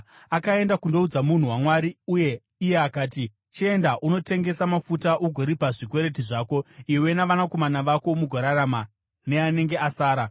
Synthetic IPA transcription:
akae̞ndakundo̞ud͡zamun̤uwamwaɾiuje̞ː | je̞akaːti | t͡ʃie̞ndaʔuno̞te̞ŋɡe̞samafutaʔuɡʱo̞ɾipaʐikwe̞ɾe̞tiʐaːko̞iwe̞naʋanako̞manaʋako̞muɡʱoɾaɾama | ne̞ane̞ŋɡeasaːɾa

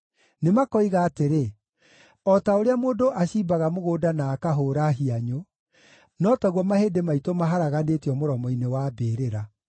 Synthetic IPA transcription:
nemakɔiɣaːteɾe | ɔtaoɾeamoːndoʔaɕiːbaɣamoɣoːdanaːkaɦoːɾaɦiaɲo | nɔːtaɣwɔmaheːdemaitomaɦaɾaɣaneːtjɔmoɾɔmɔinewabeːɾeɾa

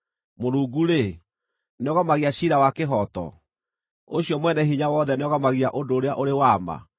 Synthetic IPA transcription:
moɾuːɡuɾe | neɔɣamaɣiaɕiɾawakeɦɔtɔ̰ | o̰ɕiɔmwɛnɛɦiɲawɔðɛneɔɣamaɣiaʔodoːɾeaʔoɾewama̰

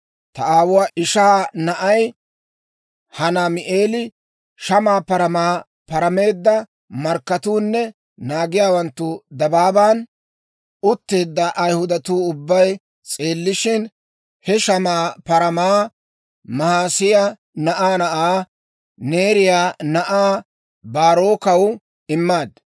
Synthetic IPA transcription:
t̪ɐʔaːwʊwaːɪʃaːnɐʔɐj | hɐnamɪʔeːlɪ | ʃɐmaːpɐɾɐmaː | pɐɾɐme̞ːd̪ːɐ | mɐɾkːɐt̪uːnːɛ | naːɡɪjaːwɐnt̪ːʊd̪ɐbaːbaːn | ʊt̪ːe̞ːd̪ːɐʔɐjhʊd̪ɐt̪uːʊbːɐj | t͡sʼe̞ːlːɪʃɪn | hɛʃɐmaːpɐɾɐmaː | mɐhaːsɪja | nɐʔaːnɐʔaː | ne̞ːɾɪjaːnɐʔaː | baːɾo̞ːkɐw | ɪmːaːd̪

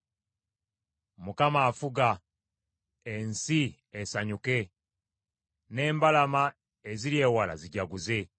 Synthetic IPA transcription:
mukamaːfuɡa | ensi | esaɲuke̞ | ne̞ːmbalama | eziɾje̞ːwala̰ziɟaɡuze̞

